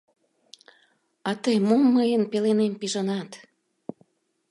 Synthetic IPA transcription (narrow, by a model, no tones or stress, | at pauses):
ɑt̪əjmomːəjənpelenempiʒənɑt̪